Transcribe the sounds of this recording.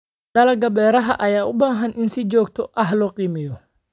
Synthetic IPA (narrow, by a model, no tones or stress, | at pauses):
ɖɐlɐɡɐbɛːɾɐɦɐʔɐjaːʔʊbaːɦɐnʔɪnsɪt͡ʃɔːɡt̪ʰɔʔɐɦlɔːqiːmɪjɔ